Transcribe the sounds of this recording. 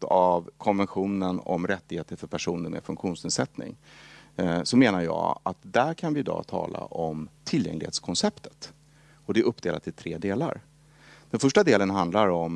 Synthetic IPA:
avkʰɔnvɛnɧuːnənɔ̰mɾɛt̪ːɪɡheːt̪əɾfœɾpʰæʂuːnəɾmɛ̰fɵŋkɧuːnsnɪlsɛt̪nɪ̰ŋ | sɔmeːnaɾjɑ̰ːat̪d̪æɾkʰanvɪɪd̪ɑ̰ːt̪ʰɑ̰ːla̰ʔɔmt̪ʰɪljɛ̰ŋlɪɡhḛːt̪skʰɔnsɛpt̪ə̥t̪ | ɔd̪ɛʔɵpːd̪eːla̰t̪ʰːɪlt̪ʰɾeːd̪eːla̰ɾ | d̪̥ɛnfœʂʈad̪eːlənɦand̪laɾɔm

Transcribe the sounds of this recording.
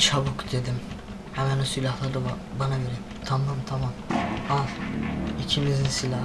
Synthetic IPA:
t͡ʃʰabukd̪ed̪im | hɛmænosilʲahlˠaɾd̪ɯb | banabeɾi | t̪ʰamːamt̪ʰamamavicʰimizinsilʲa

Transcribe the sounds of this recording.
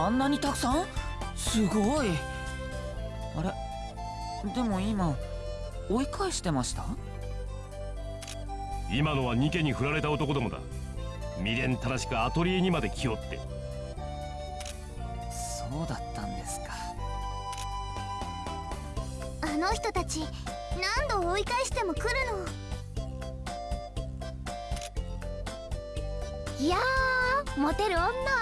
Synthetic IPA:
ãnːaɲ̟it̪akɯ̟̥sãɰ̃sɨɡoi | aɾe̞ | d̪e̞mo̞ima | oikʰaeɕi̥t̪e̞maɕi̥t̪a | imano̞βaɲ̟ike̞ɲ̟iɸɯ̟ɾaɾe̞t̪ao̞t̪o̞ko̞d̪amo̞d̪a̰ | mʲiɾẽ̞nt̪aɾaɕi̥kɯ̟at̪o̞ɾʲieɲ̟imad̪e̞kʲʰio̞t̪ːe̞̰ | soːd̪at̪ːãnd̪e̞sɨ̥kḁ | ano̞çi̥t̪o̞t̪at͡ɕi | nãnd̪o̞ːikaiɕi̥t̪e̞mo̞kɯ̟ɾɯ̟no̞ | ja | mo̞t̪e̞ɾɯ̟õnːa

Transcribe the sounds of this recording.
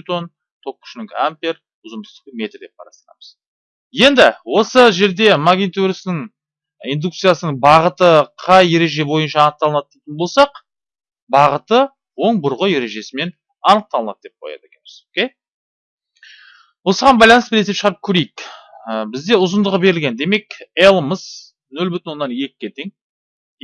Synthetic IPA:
ut̪on | t̪ʰo̞kːʏ̥ʃnɪŋka̰mpʲer | ʊzənd̪əst̪ə̥əme̞t̪ɾd̪e̞p̚qʰɑɾɑ̰st̪əɾɑ̰məz | je̞nd̪ɪwo̞səʒe̞ɾd̪e̞maɡʲnit̪uɾisnɪɴ | ind̪uk̚t̪sɨjasənəɴbɑʁət̪əqʰɑje̞ɾe̞ʒe̞bo̞jənʃɑːnəqt̪ɑlˠənɑt̪̚d̪et̪ʲɪnbolˠsɑq | bɑʁət̪ə | wo̞ɴbʊɾʁəje̞ɾe̞ʒe̞sɪme̞n | ɑnəq̚t̪ɑlˠənɑ̰t̪̚d̪e̞p̚qʰojɑ̰d̪əekʲenmɪzokʲe̞j | wo̞səʁɑnbɑjlˠɑnəsbɪɾeepʃəʁɑɾəp̚kʲʰɵɾe̞jɪkəbɪzd̪e̞ʊzənd̪əʁəbe̞ɾɪlɡʲend̪e̞me̞kelˠəməz | nɵlʲbʏt̪ɪnwo̞nːɑnje̞kʲɪ̥kʲːe̞t̪ʰe̞ŋ

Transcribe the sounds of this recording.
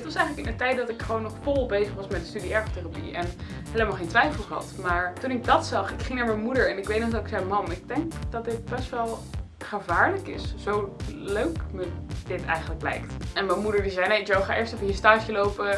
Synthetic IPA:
ətʋɑsɛjχələkɪnətɛjt̚dɑtɪkχʋownːɔχfʊlˠbejzəχʋɑsmɛt̚dəstydiɛɹχoteːrapḭʔɛnɦejləmalˠχejntʋɛjfəlˠχəɦɑ̰tmaːɹtunɪɡ̚dɑtsɑχɪkχɪŋnaːɹmɛjnmudəɹɛnɪkʋejt̚nɔχdɑtɪksɛjmɑmɪɡ̚dɛŋkd̥ɑt̚dɪt̚bɛstʋɛlˠ | χəvaːɹləkɪ̰sz̥owløɥkməd̥ɪtɛ̰jχənləklɛ̰jktɛnmɛmudəɹdizɛjnejd͡ʒowχaːʔɪɹstɛfəɦiəɹstaːʃjəlowpə

